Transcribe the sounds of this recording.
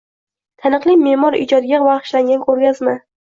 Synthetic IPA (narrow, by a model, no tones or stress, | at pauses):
t̪ʰanɨqlˠimemɒɾɪ̰d͡ʒɒd̪ɪɡʲavaɾχɨ̥ʃlaŋɡʲankʰʲɵɾɡʲazmɪ